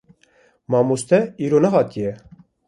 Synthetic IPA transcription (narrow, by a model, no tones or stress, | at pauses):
mɑːmust̪ʰɛiːɾoːnɛɦɑːt̪ijɛ